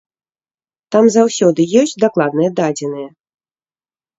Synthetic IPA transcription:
t̪amzawsʲɔd̪ɨjɔsʲt͡sʲd̪aklˠad̪nɨjɐd̪ad͡zʲɛnɨjɛ

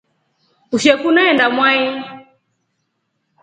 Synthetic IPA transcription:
uʃɛkunaɛndamwai

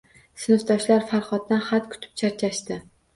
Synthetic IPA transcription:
sɪnɨfd̪ɒʃlaɾfaɾχɒt̪̚ːanχat̪kʰʊ̥t̪ʰɪ̥p̚t͡ʃʰaɾt͡ʃʰaʃt̪ɪ

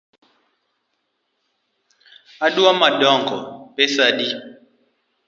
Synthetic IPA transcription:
aɗuamadɔŋɡɔpesaɗi

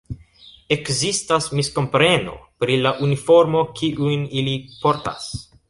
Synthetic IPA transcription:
e̞kzistasmisko̞mpɾe̞no̞̰pɾilaʔunifo̞ɾmo̞kʰiʔujnilipo̞ɾta̰s

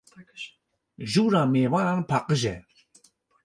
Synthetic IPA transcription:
ʒuɾameːvaɾanpʰaqʼəʒɛ

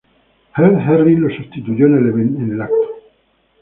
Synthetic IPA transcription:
heɾɦɛrːilosust̪it̪ud̪joneleβenenelak̚t̪o̥

